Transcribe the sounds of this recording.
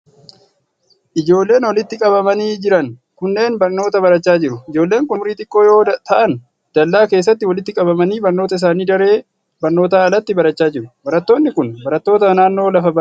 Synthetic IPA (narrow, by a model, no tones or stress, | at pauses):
ʔɪd͡ʒo̞ːlːe̞ːnwɐlɪt̪ːɪkʼɐβɐmɐniːd͡ʒɪɾɐŋkʊnːe̞ːnbɐɾno̞ːt̪ɐbɐɾɐt͡ʃːaːd͡ʒɪɾʊɪd͡ʒo̞ːlːe̞ːŋkʊmʊɾiːt̪ɪkʼːo̞ːjo̞ːt̪ɐʔɐn | d̪̥ɐlːaːke̞ːs̬ːɐt̪ːɪwɐlɪt̪ːɪkʼɐbɐmɐniːbɐɾno̞ːt̪ɐɪs̬aːniːd̪ɐɾe̞ː | bɐɾno̞ːt̪aɐlɐt̪ːɪbɐɾɐt͡ʃːaːd͡ʒɪɾʊbɐɾɐt̪ːo̞ːnːɪkʊnbɐɾɐt̪ːo̞ːt̪ɐnaːnːo̞ːlɐfɐbɐ